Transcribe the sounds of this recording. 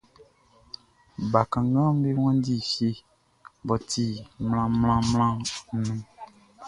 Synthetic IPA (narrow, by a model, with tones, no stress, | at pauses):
ba˨kã˨ŋ˦ɡã˦m˦be˦w̃ɔ̃˦di˦˨fe˦ | bɔ˨ti˨mlã˦mlã˦mlã˦nũ˦